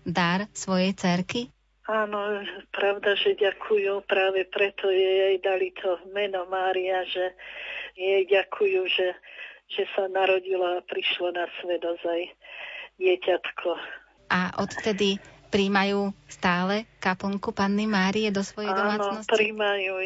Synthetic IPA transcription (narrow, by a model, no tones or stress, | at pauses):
d̪aɾsʋɔjɛjt͡sɛɾki | aːnɔpɾaʊd̪aʒɛɟakʰujupɾaːʋɛpɾɛt̪ɔjɛjɛjd̪alit̪ʰɔmɛnɔmaːɾiaʒɛjɛɟakʰujuʒɛʒ̥ɛsanaɾɔɟilɔapɾiʃlɔnasʋɛd̪ɔzaj | ɟɪɛcat̪kʰɔ | ʔaʔɔt̪fft̪ɛd̪ipɾiːmajuːst̪aːlɛkapɔŋkupanːimaːɾiɛd̪ɔsʋɔjɛjd̪ɔmaːnnɔspɾimaju